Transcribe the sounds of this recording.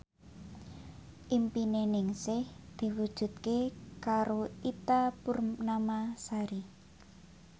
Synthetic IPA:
ʔimpinenɪŋsɪhd̪̥i̤wud̥ʒ̥ṳt̪̚kekaɾoit̪apurnamasaɾi

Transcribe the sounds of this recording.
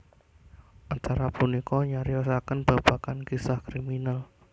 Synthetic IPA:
ʔant̪aɾapunikɔɲaɾiɔsakənb̥a̤b̥akankisahkɾiminal

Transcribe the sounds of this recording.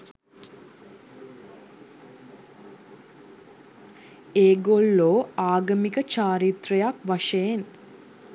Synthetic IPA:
eːɡoɭːoːaːɡəmikət͡ʃaːɾit̪ɾɐjakʋaʂəjen

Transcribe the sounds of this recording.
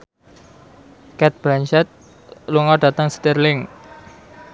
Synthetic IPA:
kɛt̪̚b̥lant͡ʃɛt̪̚ | luŋɔɖa̤t̪aŋst̪ɛrlɪŋ

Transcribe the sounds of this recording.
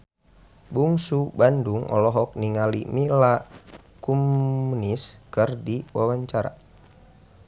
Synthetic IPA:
buŋsubanduŋɔ̰lɔɦɔk̚niŋalimila | kumuniskərdiwawaɲt͡ʃaɾa̰

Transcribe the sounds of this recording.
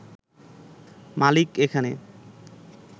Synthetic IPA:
malikekʰanḛ

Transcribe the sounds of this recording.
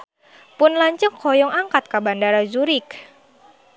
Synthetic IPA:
pʊnlaɲt͡ʃəŋkʰɔjɔŋaŋkat̪̚kabandaɾad͡ʒuɾɪk

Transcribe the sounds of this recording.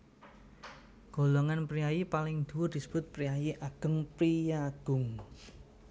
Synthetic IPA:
ɡ̥o̤loŋanpɾiajipalɪŋd̪̥uwʊd̪̥i̤sə̥b̥ʊ̤t̪̚pɾiajiʔaɡ̥ə̤ŋpɾijaɡ̥ʊ̤ŋ

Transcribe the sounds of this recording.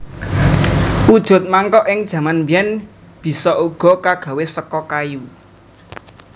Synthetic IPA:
ud̥ʒ̥ʊ̤t̪̚maŋkɔʔɪŋd̥ʒ̥ä̤manbijɛn | b̥i̤sɔʔuɡ̥ɔ̤kaɡ̥a̤wesəkɔkaju

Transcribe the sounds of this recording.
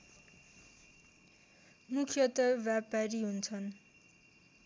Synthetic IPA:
mukʰijʌt̪ʌbjapaɾiɦunt͡sʰʌn

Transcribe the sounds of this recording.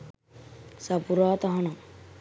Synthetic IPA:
sapuɾɔat̪ɔɦɔnɔ

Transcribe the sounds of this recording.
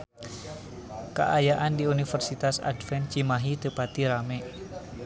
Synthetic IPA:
ka̰ʔajaʔandiunifərsit̪asa̰dfɛnt͡ʃimaɦit̪əpat̪iɾamɛ

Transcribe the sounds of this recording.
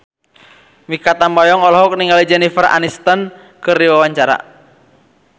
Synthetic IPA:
mikat̪ambɔjɔŋɔlɔɦɔk̚niŋalid͡ʒɛnifərʔa̰nist̪ən | kɨrdiwawaɲt͡ʃaɾa̰

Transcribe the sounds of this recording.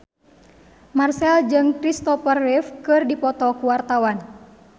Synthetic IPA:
marsɛld͡ʒɨŋkɾist̪ɔfərːifkɨrdipɔt̪ɔkuwart̪awan

